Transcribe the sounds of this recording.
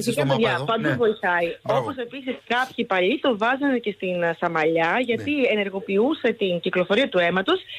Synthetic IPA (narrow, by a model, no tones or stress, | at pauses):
fisikɐp̪eðʝɐpɐnd̪ovo̞iθɐio̞po̞se̞pisiskɐpçipɐʎit̪o̞vɐzɐnece̞st̪insɐmɐʎɐʝɐt̪ie̞ne̞ɾɣo̞piuse̞t̪inciklo̞fo̞ɾiɐt̪ue̞mɐt̪os